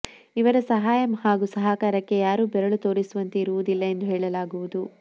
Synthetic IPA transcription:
iʋɐɾɐsɐɦaːjɐmhaːɡusɐɦaːkaːɾɐkːe̞jaːɾuːbɛɾɐɭut̪o̞ːɾisuʋɐnt̪eiɾuʋud̪ilːɐe̞nd̪uɦɛːɭɐlaːɡuʋud̪u

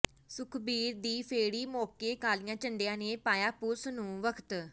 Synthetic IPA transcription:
sʊkʰbiːɾd̪iːpʰeːɽiːmoːkeːkaːlijãːt͡ʃəɳɖejãːneːpaːjaːpʊsnũːʋəkʰt̪

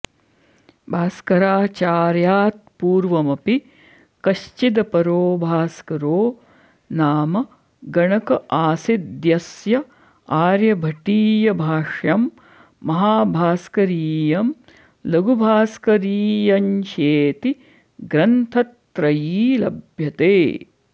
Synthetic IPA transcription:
bʱaːskɐɾaːt͡ʃaːɾjaːt̪̚puːɾʋɐmɐpi | kɐʃt͡ʃid̪ɐpɐɾoːbʱaːskɐɾoː | naːmɐ | ɡɐɳɐkɐʔaːsid̪jɐsjɐ | aːɾjɐbʱɐʈiːjɐbʱaːʂjɐmː | ɐɦaːbʱaːskɐɾiːjɐm | lɐɡubʱaːskɐɾiːjɐnʃeːt̪i | ɡɾɐnt̪ʰɐt̪ːɾɐjiːlɐ̰bʱjɐt̪eː

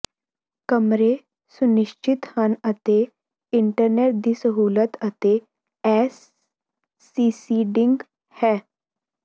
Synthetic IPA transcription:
kəmɾe | sʊnɪʃt͡ʃɪt̪hənət̪e | ɪɳʈəɾneːʈ̚d̪iːsəɦuːlət̪ət̪e | ɛːs | iːsiːɖɪŋɡ | hɛː

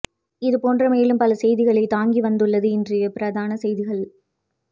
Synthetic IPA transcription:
ɪðɯpoːndrɐmeːlɯmpɐlɐsɛjðɪɣɐɭɐɪt̪aːŋɡiʋɐnd̪ɯɭːɐðɯɪndrɪjɐpɪɾɐðaːnɐsɛjðɪɣɐɭ

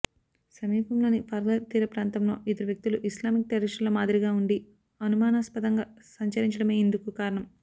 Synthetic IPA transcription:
sɐmiːpɐmlo̞ːnipʰɐɾɡɐt̪iːɾɐpɾaːnt̪ɐmlo̞ːʔid̪ɐɾuʋjɐk̚t̪iluʔislaːmik̚t̪eɾɐʃɐlɐmaːd̪iɾiɡaːuɳɖi | ɐnumaːnaːspɐd̪ɐŋɡaːsɐɲt͡ʃɐɾiɲt͡ʃɐɽɐmeːind̪ukukaːɾɐɳɐm

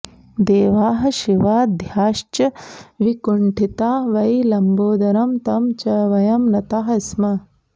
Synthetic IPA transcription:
d̪eːʋaːɦɐʃiʋaːd̪ʱjaːʃt͡ʃɐʋikuɳʈʰit̪aːʋɐjlɐmboːd̪ɐɾɐmt̪ɐmt͡ʃɐʋɐjɐmnɐt̪aːɦɐsmɐ

